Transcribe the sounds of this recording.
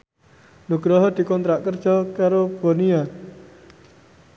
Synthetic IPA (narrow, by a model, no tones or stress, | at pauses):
nuɡ̥ɾɔɦɔd̪̥i̤kɔnt̪ɾaʔkər̥ʒ̥ɔkaɾob̥onia